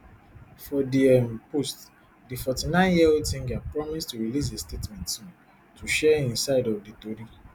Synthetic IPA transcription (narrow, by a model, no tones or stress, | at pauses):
fɔdiɛmpost | difɔtinãɪ̃njiotĩŋɡapɹɔmistuɹilis̬estetmɛ̃ntsũ | tʰuʃɛĩnsaɪdɔvditodi